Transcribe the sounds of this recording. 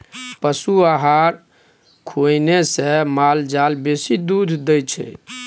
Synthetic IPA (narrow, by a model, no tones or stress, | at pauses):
pəsuaɦaɾ | kʰojnesẽmald͡ʒalbesid̪ud̪ʱd̪əjt͡ʃʰɛ̰